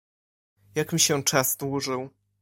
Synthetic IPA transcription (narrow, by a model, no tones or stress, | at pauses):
jakmʲiɕɛt͡ʂaz̥d̪wuʐɘw